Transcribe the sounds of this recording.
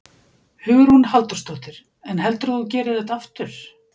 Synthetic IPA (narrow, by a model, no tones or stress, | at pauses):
hʏːɣʏɾ̥hunhalt̪ast̪ɔt̪ɪɾ̥ | ɛnɦɛlt̪ʏɾaθuc̬ɛːɾɪðθɛht̪aaft̪ʏɾ̥